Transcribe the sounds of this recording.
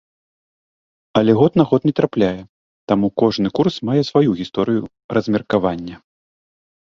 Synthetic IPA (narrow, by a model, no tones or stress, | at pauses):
ɐlʲɛɣɔt̪naɣɔt̪nʲɛt̪ɾaplʲajɛ | t̪amukɔʐnɨkursmajɛsvajuɣʲist̪ɔɾɨju | rɐzʲmʲɛrkavanʲːɐ